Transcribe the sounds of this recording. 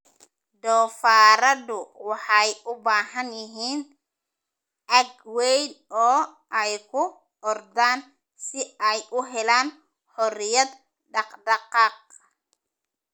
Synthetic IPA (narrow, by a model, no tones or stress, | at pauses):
d̪ɔːfaːɾɐd̪ʊwɑħɑjʔʊbaːɦɐnjɪɦiːn | ʔɐɡwɛjnɔː | ʔɛjkʰʊ | ʔɔrd̪aːn | sɪɛjʔʊɦɛlaːn | ħɔɾɪjɐd̪ | ɖɑqɖɑqɑːq̚